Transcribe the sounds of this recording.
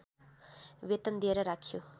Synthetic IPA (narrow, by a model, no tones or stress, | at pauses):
ʋet̪ɐnd̪eɾɐɾakʰiju